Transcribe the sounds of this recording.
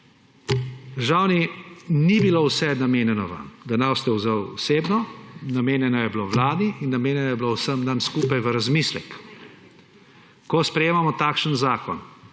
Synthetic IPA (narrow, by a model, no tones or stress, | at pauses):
d̪əɾʒawninibilowsɛnameːnjɛnɔʋa̰md̪anast̪ɛwzəwɔseːbnɔnameːnjɛnɔjɛbloʋlaːd̪iinːameːnjɛnɔjɛbilowsəmd̪anskuːpajʋəɾazmislɛ̰k | kɔspɾɛjeːmamɔt̪aːkʃənzaːkɔ̰n